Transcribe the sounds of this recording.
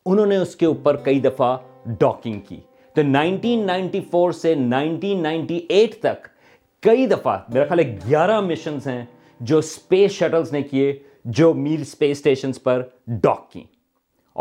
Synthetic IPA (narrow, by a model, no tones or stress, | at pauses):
ʊnɦõːneʊskeuːpəɾkɐid̪ɐfaɖɔːkɪ̃ŋɡkḭː | t̪onãːɪ̃ɳʈiːnːãːɪ̃ɳʈifoːɾsenaːɪ̃ɳʈiːnːãːɪ̃ɳʈiʔeːʈʰt̪ɐk | kːɐid̪ɐfa̰meːɾaxjaːlɦekɡjaːɾamɪʃə̃nzɦɛ̃ | d͡ʒoːspeːsʃɐʈəlznekie | d͡ʒoːmiːlspeːsʈeːʃənzpɐɾɖɔ̰ːkːḭ̃ː